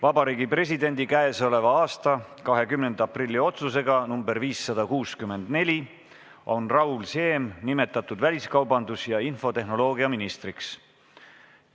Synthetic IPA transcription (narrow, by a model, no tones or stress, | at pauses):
vɑbɑɾiːɡipre̞s̬ʲid̪e̞nʲd̪ikæeso̞le̞vɑɑːst̪ɑkɑɦe̞kymne̞nd̪̥ɑprilʲːio̞t̪suse̞ɡɑnumbe̞ɾviːsːɑd̪̥ɑkuːskymːe̞nd̪ne̞lʲi | o̞nrɑulse̞ːmnime̞t̪ːˑɑt̪ːˑud̪vælʲiskɑwbɑnd̪usjɑinfo̞t̪e̞ɦno̞lo̞ːɡiɑminist̪riks